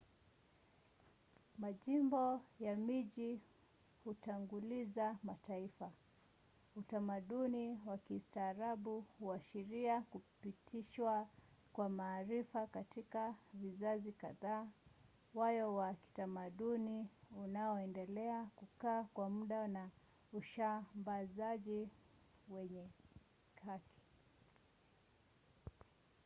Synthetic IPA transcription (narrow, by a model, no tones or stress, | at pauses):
maʄimbɔjamiʄi | hutaŋɡulizamataifa | utamaɗuniwakistaːɾaɓuhuaʃiɾiakupitʰiʃwa | kwamaːɾifakatikavizazika̰ðaː | wajɔwaki̥tamaɗuniunaɔɛndɛlɛakukaːkwamuɗana | uʃambazaʄi | wɛɲɛ | kakʰi̥